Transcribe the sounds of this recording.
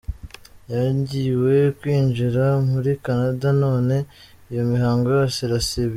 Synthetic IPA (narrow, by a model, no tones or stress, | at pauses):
jaɟiwe̞kwiːɲʒiɾamuɾikanadano̞ːne̞ | ijo̞miɦaːŋɡojosiɾaseβi